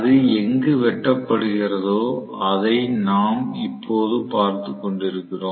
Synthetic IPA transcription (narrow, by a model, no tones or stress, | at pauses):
ðɯɛŋɡɯʋɛʈːɐpːɐɽɯɣɪrɐðoː | ɐðɐɪnaːmɪpːoːðɯpaːɾt̪ɯkːɔɳɖɪɾɯkːɪroː